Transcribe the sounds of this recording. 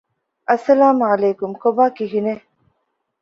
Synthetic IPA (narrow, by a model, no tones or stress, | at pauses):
ʔɐsːɐlaːmʕɐleːkumkobaːkiɦine